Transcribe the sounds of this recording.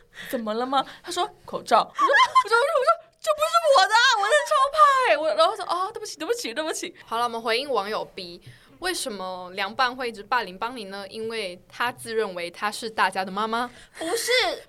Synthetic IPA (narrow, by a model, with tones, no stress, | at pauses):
t͡sə˨˩nmə˦lə˧mɐ˧t̪ʰa˥ʂwɔ˥kʰo˨˩ʊʈ͡ʂɑ˥˩ʊwɔ˩˥wɔ˨˩ʈ͡ʂɔ˧˩˥ʂɔ˥t͡ɕpu˧˥ʂ̩˥˩˥wɔ˨˩d̪ə˧wɔ˧˥ə˧˩ʈ͡ʂʰɑ˥ʊpʰa˥˧˩ɪwɔ˨˩˥o˥˩ʂɔ˥ʔɔ˥˩t̪ə˥˩pu˥t͡ɕʰi˨˩t̪bt͡ɕʰi˨˧˦t̪wə˥˩bu˧˥t͡ɕʰi˨˩˦ɑ˨˩lə˧wɔ˨˩mə˧˩xwe˧˥ɪi˥˩ŋwɑ˧˥ŋjo˨˩ʊpi˨˩ | we˥˩ɪʂə˧˥nmə˧ljɑ˧˥ŋpa˥˧nxwe˥˧ɪi˥˩ʈ͡ʂɻ̩˧˥pa˥˩li˧˥ŋpɑ˥ŋni˨˥nə˧i˥nwe˥˩ɪt̪ʰa˥t͡sɹ̩˥˧ɻə˥˩nwe˧˥ɪt̪ʰa˥ʂɻ̩˥˧t̪a˥˩t͡ɕja˥d̪ə˨ma˥ma˧pu˧˥ʂɻ̩˥˩